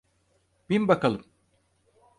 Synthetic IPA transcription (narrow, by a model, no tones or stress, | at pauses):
b̥inbakalˠɯm